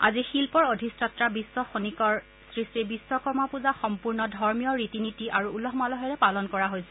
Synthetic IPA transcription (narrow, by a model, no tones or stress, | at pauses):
a̰zixilpɔɹodʱistatɹabisːɔxonikɔɹ | sɹistibisːɔkɔɹmapuzaxɔmpuɹnɔdʱɔɹmijɔɹitinitiʔaɹuːlɔɦmalɔɦɔɹɛpalɔnkɔɹaɦojsɛ